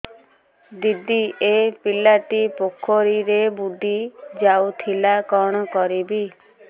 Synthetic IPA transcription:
d̪id̪iʔepilaʈipokʰːoɾiɾebud̪ʱid͡ʒawt̪ʰilakɔɽ̃ɔkɔɾibi

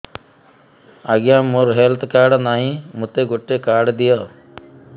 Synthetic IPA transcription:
aɡjãːmoɾɦelt̪ʰkaːɖnaɦĩmʊt̪eɡoʈːekaːɖd̪ijɔː

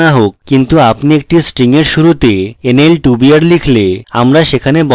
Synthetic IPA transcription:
aɦokkint̪uapniek̚ʈisʈɾiŋeɾʃuɾut̪eenelʈubiaɾlikʰlea̰mɾaʃekʰanebɔ

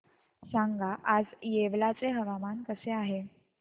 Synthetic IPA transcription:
saŋɡaʔad͡zjeʋlat͡seɦəʋamankəseaɦe

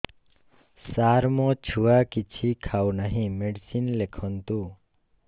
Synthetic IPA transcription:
saɾmõt͡ʃʰuakit͡ʃʰikʰawnəɦĩmeɖsinlekʰɔnt̪uː

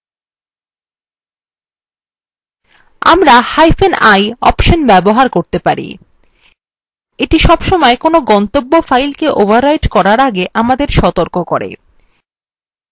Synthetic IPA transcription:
a̰mɾahajfenajɔ̰pʃonbɛboɦaɾkoɾt̪epaɾḭ | eʈiʃɔbʃɔmɔekonoɡɔnt̪obːofajlkeʔobʱaɾːajʈkɔɾaɾaɡeʔamad̪eɾʃɔt̪oɾkokoɾḛ

